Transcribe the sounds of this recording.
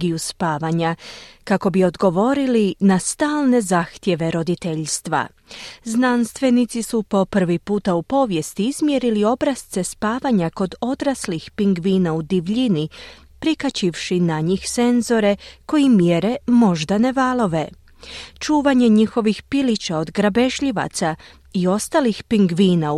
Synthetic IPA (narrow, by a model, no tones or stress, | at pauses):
ɡijuspaːʋaɲakako̞bio̞d̪ɡo̞ʋo̞ɾilinast̪aːlˠne̞zaːxt̪je̞ʋe̞ɾo̞d̪it̪e̞ʎst̪ʋa̰ | znanst̪ʋe̞nit̪sisupo̞pr̩ʋipuːt̪aupo̞ːʋje̞st̪iizmjeɾilio̞bɾast̪se̞spaːʋaɲako̞d̪o̞d̪ɾaslixpiŋɡʋiːnaud̪iʋʎini | pɾikat͡ɕiʋʃinaɲixse̞nzo̞ɾe̞ko̞jimjeɾe̞mo̞ʒd̪ane̞ʋalo̞ʋe̞ | t͡ʃuːʋaɲe̞ɲixo̞ʋixpilit͡ɕao̞d̪ɡɾabe̞ʃʎiʋa̰t̪sa | io̞st̪alixpiŋɡʋiːna